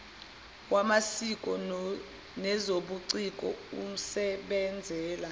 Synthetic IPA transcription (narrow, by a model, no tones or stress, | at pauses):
wamasikʼɔ | nɛzoɓuǀikʼɔ̰um̩sɛɓɛnd͡zʱɛːla